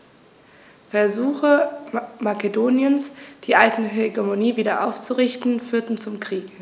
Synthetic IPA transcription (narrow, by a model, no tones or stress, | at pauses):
fɛɐzuːxəmakedoːnjənsd̥iːʔaltn̩ɦɛɡemoniːviːdɐʔaʊft͡suʁɪçtn̩fyːɐtn̩t͡sʊmkʁ̥iːk